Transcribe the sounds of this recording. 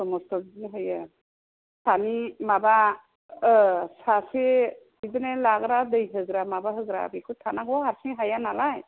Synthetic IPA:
sɔmɔstɔbnɦɯja | sʰanimaba | sase | idɯnɛlaɡɾadɯjɦɯɡɾamabaɦɯɡɾa̰bikʰut̪ʰanaɡɔaɾsiŋɦajanalaj

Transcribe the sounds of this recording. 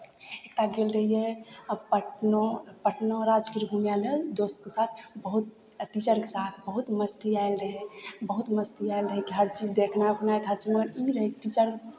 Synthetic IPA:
et̪aɡelɾəɦijepəʈnopəʈnoɾad͡ʒkiɾbʱumjaled̪ost̪kesat̪ʰbəɦut̪̚ | ʈit͡ʃəɾkesat̪ʰbəɦut̪məst̪iaelɾəɦebəɦut̪məst̪iaelɾəɦekiɦəɾt͡ʃid͡ʒd̪ekʰnapnaet̪ɦəɾt͡ʃimət̪əɾiɾəɦekiʈit͡ʃəɾ

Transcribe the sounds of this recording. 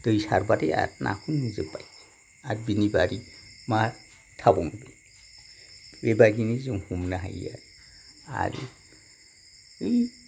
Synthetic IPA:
d̥ɯjsaɾbadea̰t̚nʔa̰kʰunːizɯbaj | at̚binibaɾima | tʰabɔŋbi | ɾebaɡinizɔŋhumnaɦa̰ja̰ | a̰ɾɯ | ɯj

